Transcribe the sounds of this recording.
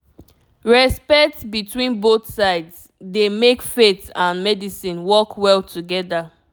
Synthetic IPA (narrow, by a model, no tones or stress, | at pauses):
ɹɛspɛtsbitʰwĩnboθsaɪds | demekfetãnmɛdisĩnwɔkʰwɛltʰuɡɛda